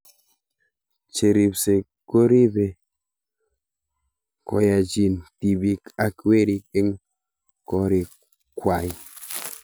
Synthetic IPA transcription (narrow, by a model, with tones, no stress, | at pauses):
t͡ʃe˨ɾi˨p̚se˨ | ko˦ɾi˦be˨ | kɔ̰˨˦ja˨d͡ʒi˨nti˨bi˨ka˨ke˦ɾi˨ke˦ŋ | kɔ˦ɾi˨ | kwa˨j